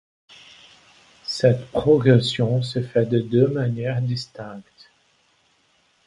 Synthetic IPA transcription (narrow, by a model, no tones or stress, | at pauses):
sɛt̪pχɔɡʁesjɔ̃səfɛd̪əd̪ømanjɛʁd̪ist̪ɛ̃kt̪